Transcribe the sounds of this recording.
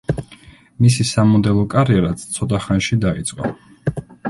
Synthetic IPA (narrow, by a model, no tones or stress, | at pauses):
misisamɔd̪ɛlˠɔkʼaɾiɛɾat̪st̪sʰɔt̪ʼaχanʃid̪ait̪sʼqʼɔ̰